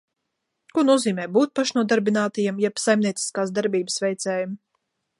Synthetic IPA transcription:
kuɔnuɔziːmɛːbuːt̪̚paʃnuɔd̪aɾbinaːt̪ajɛmjɛpsajmnʲiɛt̪si̥skaːsd̪aɾbiːbəsvʲɛjt̪sɛːjum

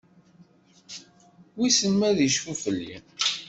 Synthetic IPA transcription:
wisənmæðiʃfufəlːḭ

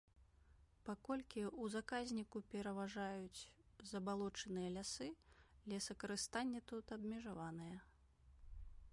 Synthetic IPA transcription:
pakɔlʲkʲiuzakazʲnʲikupʲɛɾɐvaʐajut͡sʲ | zɐbalˠɔt͡ʂɐnɨjɐlʲasɨlʲɛsɐkɐɾɨst̪anʲːɛt̪ut̪ɐbmʲɛʐavanɨjɛ

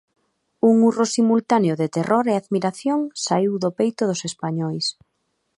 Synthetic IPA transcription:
uŋurosimult̪aneoðet̪erʔoɾeaðmiɾaθjoŋsaiwðopejt̪ʊðʊsespaɲɔjs

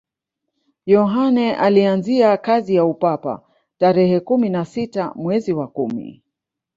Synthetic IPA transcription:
jɔɦanɛʔalianziakazijaupapa̰ | taɾɛhɛkuminasitamwɛziwakumḭ

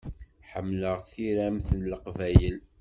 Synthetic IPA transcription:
ħəmːləʁθiɾæmθənlːəqvæjəl

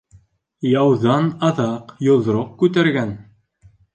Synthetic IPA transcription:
jɑwðɑnɑðɑqjŏðɾoq̚kʉt̪æɾɡæn

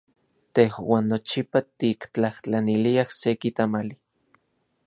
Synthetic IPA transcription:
t̪ehwaːnːot͡ʃipat̪ikt͡ɬaht͡ɬaniliahsekit̪amali

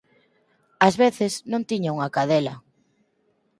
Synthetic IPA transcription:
azβeθɪsnõnt̪iɲaŋakaðɛlɐ

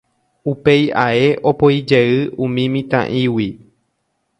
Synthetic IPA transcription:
upe̞jae̞ʔo̞pojd͡ʒeɨʔũmĩmĩt̪ã̰ʔĩwi

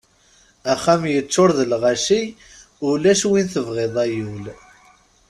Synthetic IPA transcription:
æχːæmjət͡sːoɾðəlʁaʃij | ʊlæʃwinθəvʁeðˤæjul

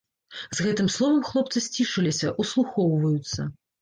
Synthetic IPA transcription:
zɣɛt̪ɨmslˠɔvɐmxlˠɔpt̪sɨsʲt͡sʲiʂɐlʲisʲɐʔuslˠuxɔwvɐjut̪sːɐ̰

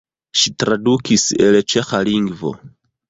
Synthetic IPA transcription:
ʃitɾadukise̞lt͡ʃe̞xaliŋɡvo̰

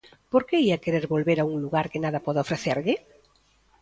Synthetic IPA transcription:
poɾkeiakeɾeɾβolβeɾauŋluɣaɾkenaðapɔðaofɾeθeɾʎɪ

